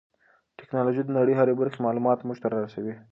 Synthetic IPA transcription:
ʈɪ̥knɑloʒid̪ənaɽəjɦaɾebaɾxemɑlumɑt̪muʒt̪aɾɑɾasawi

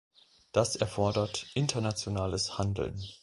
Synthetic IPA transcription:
d̥asʔɛɐfɔɐdɐtʔɪntʰɐnat͡sjonaːləshandl̩̰n

